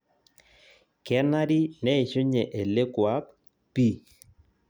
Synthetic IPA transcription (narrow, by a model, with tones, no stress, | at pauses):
kɛ˦na˦ɾi˦nɛ˦ɪ˨ʃo˦ɲɛ˨ʔe˨le˦kwa˦p | pi˦˨